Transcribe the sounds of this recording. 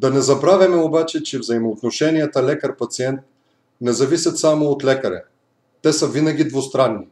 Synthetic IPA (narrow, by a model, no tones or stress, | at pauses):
d̪ɐnɛzɐbɾavʲɐmɛobat͡ʃɛt͡ʃɛvzɐimoːt̪noʃɛniət̪əlɛkəɾpɐt̪siɛnt̪̚ | nɛzɐvisʲɐt̪samoːt̪lɛkɐɾɛ̰ː | ɛsəvinɐɡʲid̪vost̪ɾanːi